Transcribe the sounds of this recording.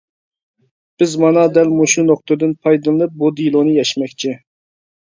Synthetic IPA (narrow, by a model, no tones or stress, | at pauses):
b̥ɪzmɑnɑd̪ɛlmuʃunoχt̪ɨd̪ɨnpʰɑjd̪ɨlˠɨnɨp̚bud̪ilˠonɨjɛʃmɛkʲt͡ʃʰi